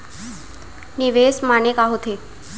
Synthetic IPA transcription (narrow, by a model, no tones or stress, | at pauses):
niʋesmanekaɦot̪ʰe